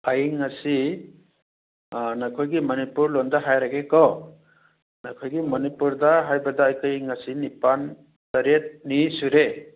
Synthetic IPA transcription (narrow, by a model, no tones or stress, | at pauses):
ajŋasi | nakʰojɡimɔnipuɾlondaɦajɾaɡekɔ | nakʰojɡimɔnipuɾdaɦajbɐdaːjkajŋasinipan | tɐɾet̚nisuɾe